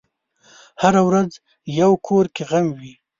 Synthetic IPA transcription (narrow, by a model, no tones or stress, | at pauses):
haɾawɾaz | jawkʰoɾkeɣamwi